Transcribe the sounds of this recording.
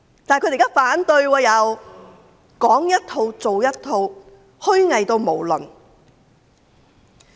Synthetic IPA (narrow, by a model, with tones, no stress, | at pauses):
t̪aː˨kɵ˧˥e˨˩kaː˥faː˨˥nt̪ɵ˧ɥwɔː˧jɐ˨˧w | kɔː˨˥ŋjɐ˥t̚t̪ʰo˧wt͡so˨wjɐ˥t̚t̪ʰo˧w | hɵ˥ɥŋɐ˨jt̪o˧wmo˨˩wlɵ̰˨˩n